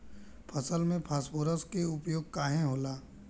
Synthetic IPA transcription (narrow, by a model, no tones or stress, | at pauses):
pʰəsəlmẽpʰaːspoːɾəskeʊpjoːɡ̚kaːɦẽɦoːlaː